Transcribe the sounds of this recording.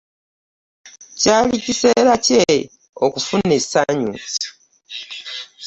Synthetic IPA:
caːlicise̞ɾace̞ | okufunːe̞saɲṵ

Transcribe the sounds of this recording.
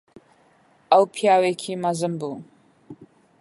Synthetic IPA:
awpʰjawekʰimazɨmbu

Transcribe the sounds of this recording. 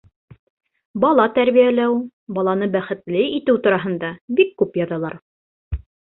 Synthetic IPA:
bɑlˠɑt̪æɾβijælæw | bɑlˠɑnɤbæχɘ̆t̪lɘit̪ɘwt̪ŏɾɑɦɤ̆nd̪ɑbikːʉpjɑðɑlˠɑɾ

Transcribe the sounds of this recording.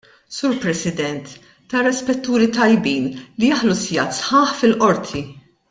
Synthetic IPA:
suːɾpɾɛsɪd̪ɛnt̪ː | ɐrɛspɛt̪ːuːɾit̪ɐjbiːnlijɐħlusjɐt̪sħɐːħfɪlʔɔɾt̪ʰi

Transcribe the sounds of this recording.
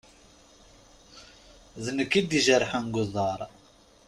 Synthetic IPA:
ðənəkːid̪iʒəɾˤħanɡʷʊðˤɑɾˤ

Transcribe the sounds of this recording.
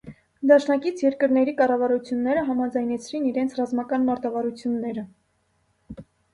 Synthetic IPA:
d̪ɑʃnɑkit͡sʰjɛɾkəɾnɛɾikɑrɑvɑɾut͡sʰjunːɛɾəɦɑmɑd͡zɑjnɛt͡sʰɾiniɾɛnt͡sʰrɑzmɑkɑnmɑɾt̪ɑvɑɾut͡sʰjunːɛɾə

